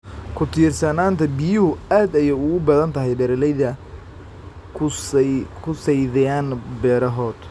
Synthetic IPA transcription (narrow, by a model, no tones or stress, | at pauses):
kʰʊt̪ʰiːrsɐnaːnt̪ʰɐbɪjʊhʊaːd̪ɐjɛʊɣʊbɐðɐnt̪ʰɐɦɛjɖɛɾɛlɛjðɐ | kʰ | kʰʊsɛjðɛjaːnbɛːɾɐɦɔːd̪